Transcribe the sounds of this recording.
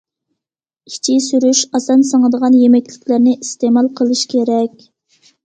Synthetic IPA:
it͡ʃʰisyɾyʃɑsɑnsəŋəd̪əʁɑnjemɛkʲlɪkʲlɪɾnɪʔist̪emɑlˠqʰəlˠɨʃkʲʰeɾɛkʲ

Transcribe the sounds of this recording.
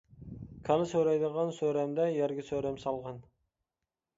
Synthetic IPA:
kʲʰɑlˠɨsøɾɛjd̪əʁɑnsøɾɛmd̪ɛjæɾɡʲɪsøɾɛmsɑlˠʁɑn

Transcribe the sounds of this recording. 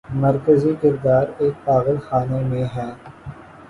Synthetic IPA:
məɾkəzikɪɾd̪aːɾeːk̚paːɣəlxaːnemẽɦɛː

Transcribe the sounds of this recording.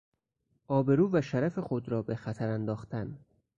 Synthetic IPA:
ʔɒːbe̞ɾuːvæʃæɾæfe̞xo̞d̪ɾɒːbe̞xæt̪ʰæɾænd̪ɒːxt̪ʰæn

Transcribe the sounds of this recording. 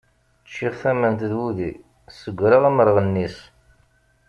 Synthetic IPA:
t͡ʃːiʁθæmənt̪ðwuði | səɡʷːɾəʁæməɾʁənːis

